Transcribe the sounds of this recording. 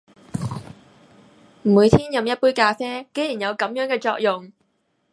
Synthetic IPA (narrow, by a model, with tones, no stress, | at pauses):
m̩˨˩muː˨˧jt̪ʰiː˥njɐ˨mjɐ˥t̚puː˥jkaː˧sɛː˥ke˨˥jiː˨˩njɐ˨˧wkɐ˨˥mjœː˨˥ŋkɛː˧t͡ʃɔː˧k̚jʊ˨ŋ